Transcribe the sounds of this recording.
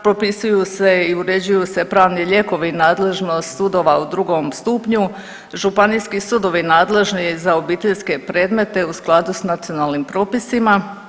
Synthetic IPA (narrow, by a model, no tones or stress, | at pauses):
pɾo̞pisujuse̞iuɾe̞d͡ʑujuse̞pɾaːʋniʎe̞ko̞ʋinaːd̪le̞ʒnost̪sud̪o̞ʋaud̪ɾuɡomst̪upɲu | ʒupaniskisud̪o̞ʋinaːd̪le̞ʒnizao̞biːt̪eʎske̞pɾe̞ːd̪me̞t̪e̞usklˠad̪usnat̪sio̞nalnimpɾo̞ːpisima